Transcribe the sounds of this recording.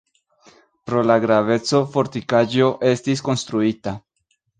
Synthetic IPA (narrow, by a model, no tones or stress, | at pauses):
pɾo̞laɡɾave̞t͡so̞fo̞ɾt̪ikaʒo̞ʔe̞stis̬ko̞nst̪ɾuita